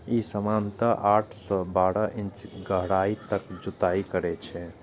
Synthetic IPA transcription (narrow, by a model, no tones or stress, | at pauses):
isəmant̪əʔaʈʰsɔbaɽəʔint͡ʃɡəɦɽait̪əkd͡ʒut̪aikəɾɛt͡ʃʰɛ